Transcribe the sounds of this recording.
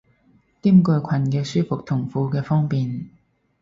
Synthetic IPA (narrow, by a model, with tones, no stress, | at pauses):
t̪iː˥mkɵ˧ɥkʷʰɐ˨nkɛː˧syː˥fʊ˨k̚t̪ʰʊ˨˩ŋfuː˨˧kɛː˧fɔː˥ŋpiː˨n